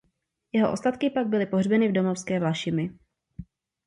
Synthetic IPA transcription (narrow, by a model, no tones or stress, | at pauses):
jɛɦoʔost̪at̪kɪpaɡ̚bɪlɪpo̞ɦrbɛnɪvdo̞mofskɛːvlaʃɪmɪ